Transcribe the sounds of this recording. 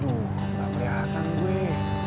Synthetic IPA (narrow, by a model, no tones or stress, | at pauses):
du | lapəɾeɦat̪anɡue